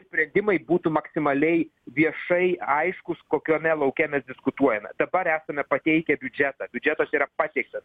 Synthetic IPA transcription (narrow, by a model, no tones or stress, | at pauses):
sʲpʲɾʲɛnʲd̪ʲɪmɐɪbuːt̪ʊmɐksʲɪmɐlʲɛɪʋʲiɛʃɐɪɐɪʃkʊskoːkʲoːnʲɛlˠɐʊkʲɛmʲɛsd̪ʲɪskʊt̪uɔjɛmʲɛ̰d̪ɐbɐɾæːsɐmʲɛpɐt̪ʲɛɪkʲɛbʲʊd͡ʒʲæt̪ɑːbʲʊd͡ʒʲɛt̪ɐsiːɾɐpɑːt̪ʲɛɪk̚t̪ɐs